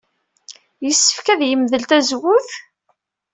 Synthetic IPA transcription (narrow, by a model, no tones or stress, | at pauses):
jəsːə̥fkæðjəmðəlt̪æzwʊθ